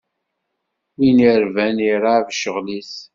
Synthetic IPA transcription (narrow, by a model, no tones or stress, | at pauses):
winiɾvæniɾavʃəʁlis